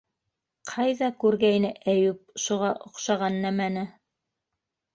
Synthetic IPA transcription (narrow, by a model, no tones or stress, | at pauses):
qʰɑjðɑkʉɾɡæjnɘʔæjʉp̚ʃuʁɑʔŏqʃɑʁɑnːæmænɘ